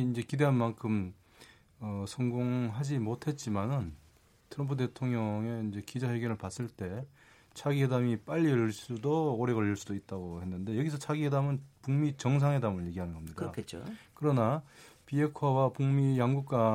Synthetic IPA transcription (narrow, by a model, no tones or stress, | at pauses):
ind͡ʑe̞kide̞ɦanmankʰɯm | ʌsʰʌŋɡoŋɦad͡ʑimotʰe̞t̚t͡ɕ͈imanɯn | tʰɯɾʌmpʰude̞tʰoŋɲʌŋe̞ind͡ʑe̞kid͡ʑahe̞ɡjʌnɯɭpas͈ɯɭt͈e̞ | t͡ɕʰaɡiɦe̞damip͈aʎːiɯɭs͈udooɾe̞ɣʌʎːiɭs͈udoit̚t͈aɡohe̞nːɯnde̞jʌɡis̬ʰʌt͡ɕʰaɡiɦe̞damɯnpuŋmit͡ɕʌŋs̬ʰaŋɦe̞damɯɭje̞ɡiɦanɯnɡʌmɲidɯakʰet͡ɕokɯɾʌnapiɦe̞kʰwawapuŋmijaŋɡuk̚k͈a